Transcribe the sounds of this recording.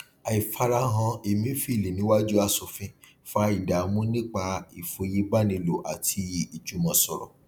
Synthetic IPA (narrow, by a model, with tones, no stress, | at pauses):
a˨i˨fa˧ɾa˧ɦã˧e˨mĩ˨˦fi˦˨le˨nĩ˨˦wa˦d͡ʒu˦a˦˧su˨fĩ˨˦ | fa˧˦i˨da˨˦mũ˦nĩ˦k͡pa˧˦i˨fo˧ji˦ba˦nĩ˧lo˨ʔa̰˨tʰi˧˦i˦˨i˨d͡ʒu˨˦mɔ̃˨sɔ˨ɾɔ̰˨